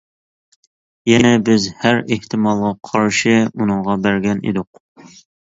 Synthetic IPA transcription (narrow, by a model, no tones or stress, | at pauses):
jɛnɛbɪzhæɾeht̪ʰɨmɑlˠʁɑqʰɑɾʃɨunɨŋʁɑbæɾɡʲɛnḛd̪ʊq̚